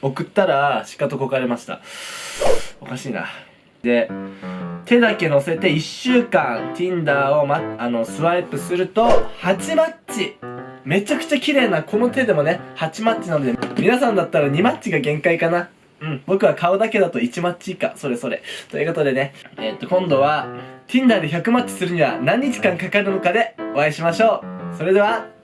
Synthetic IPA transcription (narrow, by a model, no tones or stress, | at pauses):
o̞kɯ̟t̪ːaɾaɕi̥kat̪okokaɾe̞maɕi̥t̪a̰ | o̞kaɕiːna̰ | d̪̥e̞ | t̪ʰe̞d̪ake̞no̞seet̪e̞iɕːɨːkãnt̪ʲĩnd̪aːo̞maano̞sɨβaipɯ̟sɨɾɯ̟t̪o̞hat͡ɕimat͡ɕi | me̞t͡ɕakɯ̟̥t͡ɕakʲiɾe̞ːnakʰo̞no̞t̪e̞d̪e̞mo̞ne̞hat͡ɕimat͡ɕːinanod̪emʲinasãnd̪at̪ːaɾaɲ̟imat͡ɕiɡaɡẽ̞ŋkaikana | ɯ̟̃ɴbo̞kɯ̟βakʰaod̪ake̞d̪at̪o̞it͡ɕimat͡ɕika̰so̞ɾe̞so̞ɾe̞̰t̪ojɯ̟ko̞t̪o̞d̪e̞ne̞et̪ːo̞kõ̞nd̪o̞βat̪ʲĩnd̪aːd̪eçakɯ̟mat͡ɕi̥sɨɾɯ̟ɲ̟iβa̰nãɲ̟ːit͡ɕi̥kãŋkakaɾɯ̟no̞kad̪e̞o̞aiɕimaɕo̞ːso̞ɾe̞d̪e̞βa